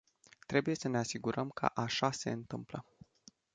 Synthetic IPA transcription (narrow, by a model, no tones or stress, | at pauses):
t̪ɾe̞buje̞səne̞asiɡuɾəmkʰə̰ʔaʃase̞̰ɨnt̪ɨmplə